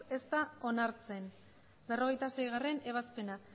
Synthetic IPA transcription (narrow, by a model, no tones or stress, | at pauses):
e̞st̪ao̞naɾt͡se̞n | be̞ro̞ɣ̞e̞jt̪ase̞jɣare̞ne̞β̞aspe̞na